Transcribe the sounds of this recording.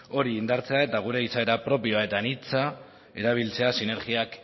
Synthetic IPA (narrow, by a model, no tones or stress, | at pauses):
o̞ɾiːnd̪aɾt͡se̞ae̞t̪aɣ̞uɾe̞isaeɾapɾo̞pio̞ae̞t̪anit͡sa | e̞ɾaβ̞ilt͡se̞asine̞ɾɣiak